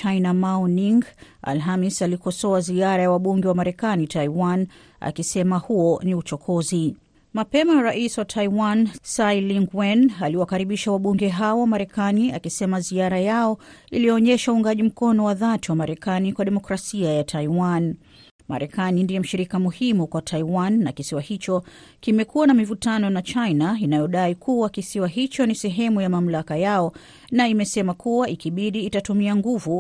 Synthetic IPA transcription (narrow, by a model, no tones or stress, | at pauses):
t͡ʃainamaniŋɡ | a̰lɦamisalikɔsɔaziaɾajawaɓuŋɡɛwamaɾɛkanitaiwan | a̰kisɛmahuɔniut͡ʃɔkʰɔzi | mapɛmaɾaʔiswatʰaiwansailiŋɡwɛnaliwakaɾiɓiʃawaɓuŋɡɛɦaɔwamaɾɛkania̰kisɛmaziaɾajaɔilijɔɔɲɛʃauŋɡaʄim̩kɔnɔwaðatiwamaɾɛkanikwaɗɛmɔkɾasiajatʰaiwan | ma̰ɾɛkanindiɛm̩ʃiɾikamuhimukwatʰaiwanːakisiwahit͡ʃɔ | kimɛkuwanamivutanɔnat͡ʃainainajɔɗaikʰuwakisiwaɦit͡ʃɔnisɛɦɛmujamam̩lakajaɔ | naimɛsɛmakʰuwaikiɓiɗiːtatumiaŋɡuvu